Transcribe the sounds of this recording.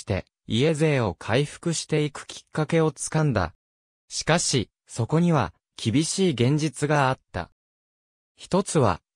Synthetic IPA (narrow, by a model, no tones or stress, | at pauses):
t̪e̞̰ | ie̞ze̞ːo̞kʰaiɸɯ̥kɯ̟ɕi̥t̪e̞ikɯ̟̥kʲʰi̥kːake̞o̞t͡sɨ̥kãnd̪a̰ | ɕi̥kaɕi | so̞ko̞ɲ̟iβa̰ | kʲʰibʲiɕiːɡẽ̞ɲ̟d͡ʑit͡sɨɡaːt̪ːa̰ | çi̥t̪o̞t͡sɨβa̰